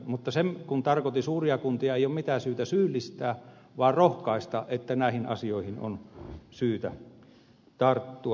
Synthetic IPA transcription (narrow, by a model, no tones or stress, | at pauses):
mut̪ːɑsemkunt̪ɑrkot̪isuːriɑkunt̪iɑeiomit̪æsyːt̪æsyːlːist̪æː | ʋɑˑːrrohkɑˑist̪ɑʔʔet̪ːænæˑihinɑ̰sioˑihino̰nsyːt̪æ | t̪ɑrt̪ːuɑ